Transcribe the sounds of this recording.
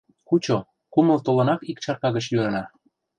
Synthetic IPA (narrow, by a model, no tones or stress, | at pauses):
kut͡ɕo | kumə̆lt̪olɤ̆nɑkikt͡ɕɑrkɑɣə̆t͡ɕjyɾɤ̆nɑ